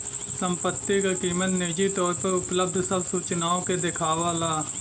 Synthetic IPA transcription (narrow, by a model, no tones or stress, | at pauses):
səmpət̪ːikakiːmət̪neːd͡ʒit̪ɔːɾpəɾʊpləb̚d̪ʱsəbsuːt͡ʃnaːõked̪ɪkʰaːʋaːlaː